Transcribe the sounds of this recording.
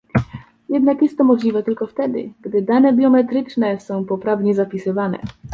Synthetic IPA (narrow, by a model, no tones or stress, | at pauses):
jɛd̪nakjɛst̪ːɔmɔʐlʲivɛt̪ɘlkɔft̪ɛd̪ɘ̰ɡd̪ɘd̪anɛbʲjɔmɛt̪ɾɘt͡ʂnɛsɔ̃w̃pɔpɾavɲɛzapʲisɘvanɛ̰